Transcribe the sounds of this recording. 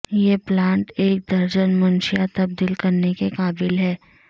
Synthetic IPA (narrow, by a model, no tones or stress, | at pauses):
jeplãːɳʈeːk̚d̪ɐɾd͡ʒənmʊnʃɪjat̪ɐb̚d̪iːlkɐɾnekekaːbɪlɦɛː